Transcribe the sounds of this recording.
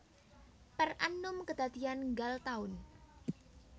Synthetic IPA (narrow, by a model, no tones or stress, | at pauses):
pərʔanʊmkəd̪̥ad̪ianŋɡalt̪aʊn